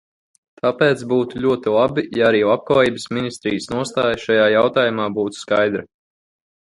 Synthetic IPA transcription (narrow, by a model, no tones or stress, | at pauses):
t̪ʰapɛːt̪sbuːt̪uʎʲuɔt̪ilˠabijaaɾiːlˠap̚klaːjiːbɨsminist̪ɾijəsnuɔst̪aːjʃajaːjawt̪aːjumaːbuːt̪u̥skajd̪ɾa